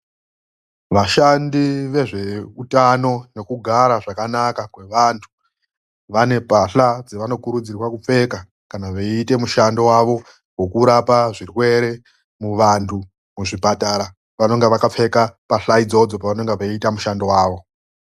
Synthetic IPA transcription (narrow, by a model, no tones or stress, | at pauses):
ʋaʃandiʋe̞ʐe̞utano̞ne̞kuɡʱaɾaʐakanakakwe̞ʋantʰu̥ | ʋane̞paɬad͡zeʋano̞kuɾud͡zirwakup͡fe̞ka | kanaʋeite̞muʃandowaʋo̞ | ɡwo̞kuɾapaʐirwe̞ɾe̞ | muʋantʰu | muʐipataɾa | ʋano̞ŋɡeʋakap͡fe̞kapaɬaid͡zo̞d͡zo̞paʋano̞ŋɡeʋaitamuʃandowaːʋo̞